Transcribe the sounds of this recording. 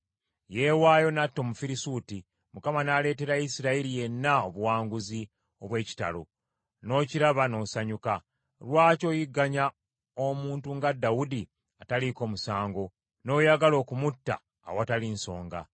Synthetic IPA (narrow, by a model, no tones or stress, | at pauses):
je̞waːjo̞natːo̞mufiɾisuːti | mukamanaːle̞ːte̞ɾaisiɾaiɾije̞nːaoβuwaːŋɡuzi | o̞βwe̞ːci̥ta̰lo̞̰ | no̞ːciɾaβano̞saɲuka | lwaːco̞ːjiɡːaɲa | omuːntuŋɡadːawudi | ataliko̞ːmusaːŋɡo̞ | no̞ːjaɡalo̞ːkumutːa̰ː | watalinso̞̰ːŋɡa̰